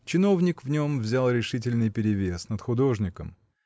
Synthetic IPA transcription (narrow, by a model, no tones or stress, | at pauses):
t͡ɕɪno̞vnʲɪkvnʲo̞mvzʲalˠɾʲɪʂɨt̬ʲɪlʲnɨjpʲɪɾʲɪvʲe̞snət̪xʊd̪o̞ʐnʲɪkəm